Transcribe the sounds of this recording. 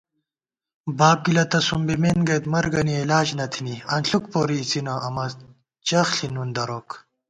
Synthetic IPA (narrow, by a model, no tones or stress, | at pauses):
baːb̚ɡilɐt̪ɐsumbimenɡet̪mɐɾɡɐnielaːd͡ʑnɐt̪ʰiniɐnɬuk̚poːɾiːt͡sinɐʔɐmɐ | t͡ɕɐxɬinund̪ɐɾok